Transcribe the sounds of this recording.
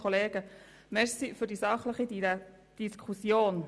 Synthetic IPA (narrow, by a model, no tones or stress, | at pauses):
oleːɡ̥ə | mɛɾsifʏɾdisɑχləχi | d̥iskʰusjoːn